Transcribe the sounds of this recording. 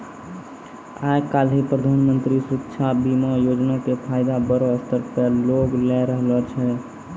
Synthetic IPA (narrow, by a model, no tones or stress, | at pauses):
akalɦipɾəd̪ʱanmənt̪ɾisɾət̪ːʃʰabimɔjod͡ʒnakepʰajd̪abəɾɔəst̪əɾpəloɡlɛɾəɦlɔt͡ʃʰɛ